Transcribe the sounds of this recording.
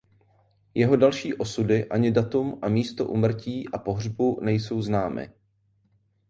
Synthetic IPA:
jɛɦo̞dalʃiːʔo̞sudɪʔaɲɪdat̪umʔamiːst̪o̰ʔṵːmr̩ciːʔapo̞ɦrbunɛjso̞wznaːmɪ̰

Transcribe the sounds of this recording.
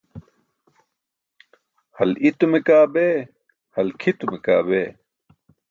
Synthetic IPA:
hɐlit̪umekaːbeː | hɐlkʰit̪umeka̰ːbeː

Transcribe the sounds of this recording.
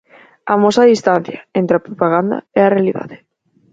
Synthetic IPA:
amosaðist̪an̟θjaent̪ɾeapɾopaɣand̪ɐ̰ɛarealiða̰ðe

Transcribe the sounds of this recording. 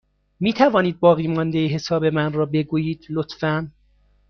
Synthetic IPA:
miːt̪ʰævɒːniːd̪̚bɒːɣiːmɒnd̪ejiɦe̞sɒːbe̞mænrɒːbe̞ɡuːjiːd̪̥lot̪fæn

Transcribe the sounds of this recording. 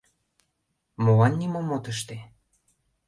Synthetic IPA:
molɑnːʲimomot̪əʃ̬t̪e

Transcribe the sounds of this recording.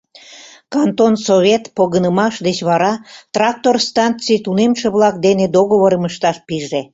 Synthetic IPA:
kɑnt̪onsoβʲet̪poɣənəmɑʃd̪et͡ɕβɑɾɑt̪rɑk̚t̪orst̪ɑnt͡sijt̪unemʃeβlɑk̚d̪ened̪oɣoβəɾəməʃt̪ɑʃpiʒe

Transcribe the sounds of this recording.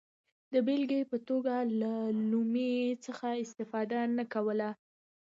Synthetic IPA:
d̪əbelɡəjpət̪oɡalalumet͡səxaɪst̪ɪfɑd̪anakawəla

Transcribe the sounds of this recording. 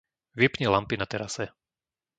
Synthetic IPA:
ʋipɲɛlampinat̪ɛɾasɛ

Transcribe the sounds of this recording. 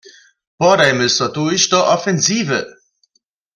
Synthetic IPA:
pɔɾajmɪsɔt̪uɕd̪ɔʔɔfɛnziːvə

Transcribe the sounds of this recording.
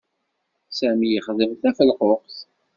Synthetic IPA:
sæmijəχðəmθæfəlqoqθ

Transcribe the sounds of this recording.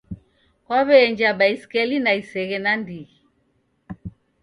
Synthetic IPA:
kwaβɛːɲd͡ʒaɓaiskɛlinaisɛɣɛnandiɣi

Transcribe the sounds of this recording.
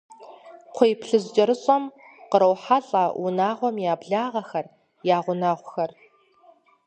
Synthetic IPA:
qʷʰʊjpʰɬɨzd͡ʒʼɐɾɨɕʼɐm | qəɾɐwħaɬʼɐwʔʊnaːʁʷɔmjaːbɮaːʁɐxɐr | jaːʁʷʊnaːʁʷʊxɐr

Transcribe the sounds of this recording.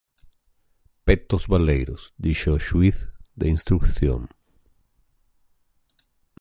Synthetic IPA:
pet̪ozβalejɾosd̪iʃoʃwiθd̪einst̪ɾukθjo̰ŋ

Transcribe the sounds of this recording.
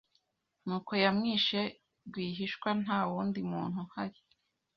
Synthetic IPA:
nuːko̞jamŋiːʃe | ɡwiːɦiʃkwan̥aːwuːndimuːn̥huhaɾi

